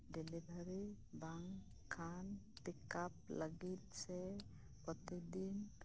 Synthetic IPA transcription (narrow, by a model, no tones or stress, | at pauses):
ɖɛlebʱaɾe | baŋ | kʰːant̪ikap̚ləɡit̪̚sɛ | pɔt̪ed̪in